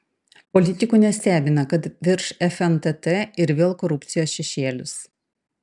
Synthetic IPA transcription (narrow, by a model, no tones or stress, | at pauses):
pɔlʲɪt̪ʲɪkunʲɛsʲt̪ʲæːbʲɪnɐkɐt̪ʋʲɪɾʃɛfʲɛnt̪ɛt̪ɛɪɾʋʲeːlˠkɔɾʊpʲt̪sʲɪjoːsʃʲɛʃʲeːlʲʊ̰s